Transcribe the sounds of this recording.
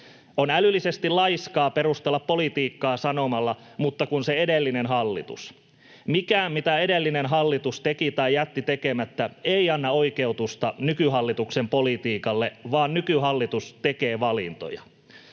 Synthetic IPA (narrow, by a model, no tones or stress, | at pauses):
onælylːise̞st̪ilɑjskɑːpe̞ɾust̪elːɑpːo̞lit̪iːkːɑːsɑno̞mɑlːɑ | mut̪ːɑkunseedelːinenɦɑlːḭt̪ṵs | mikæːmmit̪æe̞delːinenɦɑlːit̪ust̪ekit̪ɑjjæt̪ːit̪ekemæt̪ːæeiɑnːɑo̞ike̞ut̪ust̪ɑnykyɦɑlːit̪ukse̞mpolit̪iːkɑlːeʋɑːnnykyɦɑlːit̪ust̪eke̞ːʋɑlḭnt̪o̰jɑ̰